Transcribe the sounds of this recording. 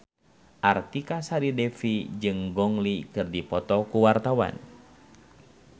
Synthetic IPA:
ʔart̪ikasaɾidɛfid͡ʒɨŋɡɔŋlikɨrdipɔt̪ɔkuwart̪awa̰n

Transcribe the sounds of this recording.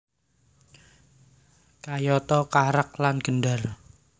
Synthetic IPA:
kajɔt̪ɔkaɾak̚lanɡ̥ənɖar

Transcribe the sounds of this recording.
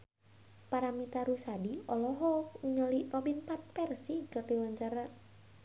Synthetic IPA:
paɾamit̪aɾusadiɔlɔɦɔk̚uɲəlirɔbinpat̪̚pɛrsikat̪iwaɲt͡ʃaɾa

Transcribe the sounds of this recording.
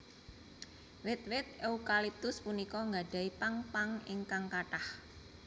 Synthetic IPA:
wɪt̪̚wɪt̪̚eukalip̚t̪ʊspunikɔŋɡaɖ̥a̤ipaŋpaŋɪŋkaŋkaʈah

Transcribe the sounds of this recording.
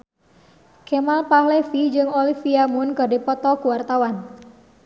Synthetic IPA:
kemalpahlefid͡ʒɨŋolifiamʊnkɨrdipɔt̪ɔkuwart̪awan

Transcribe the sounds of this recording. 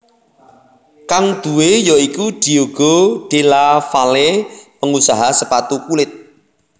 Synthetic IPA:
kaŋd̪̥ṳwejɔikud̪̥i̤oɡ̥ɔɖ̪̥elafalepəŋusaɦasəpat̪ukulɪt̪̚

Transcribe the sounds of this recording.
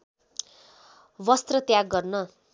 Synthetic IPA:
wʌst̪rʌt̪jaɡːʌrnʌ

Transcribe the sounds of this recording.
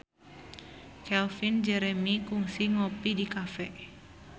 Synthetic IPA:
kɛlfind͡ʒɛɾɛmikuŋsiŋɔpidikafɛ

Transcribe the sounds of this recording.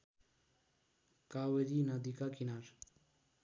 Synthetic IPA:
kaweɾinad̪ikakinaɾ

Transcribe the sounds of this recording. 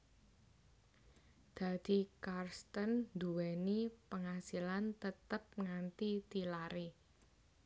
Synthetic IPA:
d̪̥a̤d̪̥i̤karst̪ənd̪uwɛnipəŋasilant̪ət̪əp̚ŋant̪it̪ilaɾe

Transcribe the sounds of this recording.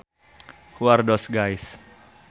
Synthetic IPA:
hwardɔsɡajs

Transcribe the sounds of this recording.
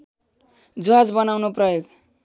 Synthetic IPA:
d͡zoɦad͡zbʌnawnoprʌjoɡ

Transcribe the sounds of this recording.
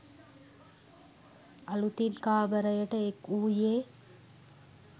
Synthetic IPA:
ɐlut̪inkaːbəɾəjəʈəekuːjeː

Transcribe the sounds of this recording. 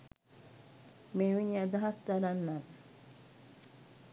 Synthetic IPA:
meʋiɲad̪aɦast̪aɾanːan

